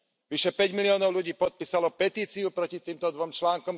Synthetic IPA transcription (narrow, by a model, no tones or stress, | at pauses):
ʋiʃɛpɛɟmiliɔːnɔʊluɟiːpɔt̪̚piːsalɔpɛt̪iːt͡siupɾɔcit̪iːmt̪ɔd̪ʋɔmt͡ʃlaːŋkɔm